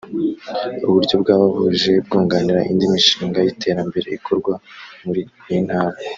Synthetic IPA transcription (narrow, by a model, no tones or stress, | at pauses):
uβuɾɟjo̞bɡaːβaβuʒe̞b̚ɡoːŋɡaniɾaʔindimiʃiːŋɡajitʰe̞ːɾambe̞ɾe̞ikʰoɾɡwamuɾijinhaːɾa